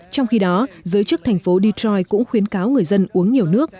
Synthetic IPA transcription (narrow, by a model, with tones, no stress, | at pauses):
t͡ɕɔ˧wŋ͡mxi˧ɗɔ˨˦zɨː˨˦jt͡ɕɨ˦˥ək̚t̪ʰɛ˨˩ŋ̟fo˨˦ɗi˧tɾɔ˧jkʊ̰˧˥ŋ͡mxwi˨˦ənkaː˨˦wŋɨ˨˩əjzə˧nʔu˨˦əŋɲi˨˩əwnɨ˦˥ək̚